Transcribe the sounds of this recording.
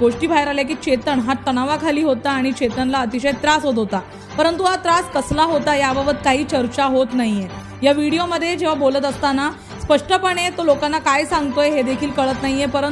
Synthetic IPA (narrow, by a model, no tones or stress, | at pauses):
ɡoʂʈiːbʱajɾaljak̬iːt͡ɕet̪əɳɦat̪ːəɽ̃aʋakʰaliːɦot̪aːɽ̃it͡ɕet̪əɳlaət̪iɕəjt̪ɾasɦot̪ɦot̪a | pəɾənt̪uat̪ɾaskəslaɦot̪ajababət̪̚kaɦiːt͡ɕəɾt͡ɕaɦot̪naɦije | jaʋiɽijoməd̪ʱːjed͡ʑeʋ̤abolət̪əst̪ana | spəʂʈəpəɽ̃et̪olokãnːakajsãŋɡt̪ojeɦed̪ekʰiːlkəɭət̪naɦijepəɾə